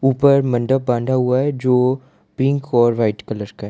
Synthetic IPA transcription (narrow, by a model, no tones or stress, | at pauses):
uːpəɾmɐ̃ɳɖəp̚bãːnɖ̪ʱaɦʊaɦɛd͡ʒoː | pɪ̃ŋkʰɔːɾʋaɪʈkɐləɾkaɦɛ